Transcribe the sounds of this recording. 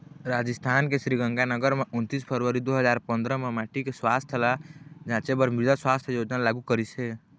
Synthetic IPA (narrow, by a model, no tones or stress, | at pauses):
ɾad͡ʒist̪ʰankesɾiɡə̃ŋɡanəɡəɾmeʔunt̪ispʰəɾʋəɾid̪oɦəd͡ʒaɾpə̃nd̪ɾəmemaʈʰikeswast̪ʰəlad͡ʒãt͡ʃebəɾmiɾd̪aswast̪ʰjod͡ʒnalaɡukəɾise